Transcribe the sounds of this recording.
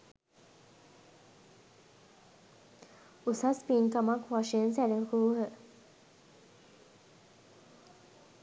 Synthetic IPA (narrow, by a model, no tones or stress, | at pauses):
usaspiŋkamakʋaʃejənsæɾəkuɦə